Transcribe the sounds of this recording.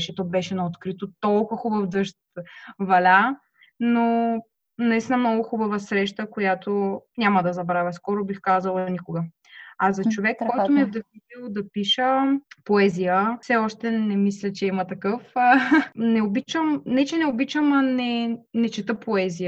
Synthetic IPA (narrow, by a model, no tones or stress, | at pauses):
ʃɛt̪obɛʃɛnɐot̪kɾit̪ot̪ɔlˠkʊvəxubəvd̪ɤʃt̪vɐlʲa | no | nɐist̪inəmnɔɡʊxubɐvəsɾɛʃt̪əkojat̪onʲamɐd̪ɐzɐbɾavʲɐskɔɾʊbixkazɐlˠɐnikʊɡə | azɐt͡ʃovɛkːɔjt̪omiɛvd̪ɐxnit̪ilˠd̪ɐpiʃəpoɛzijəfsɛɔʃt̪ɛnɛmislʲɐt͡ʃɛimɐt̪ɐkɤf | nɛobit͡ʃəmnɛt͡ʃɛnɛobit͡ʃəmɐnɛnɛt͡ʃɛt̪əpoɛzijə